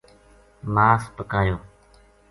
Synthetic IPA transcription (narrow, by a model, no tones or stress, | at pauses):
maːspəkaːjoː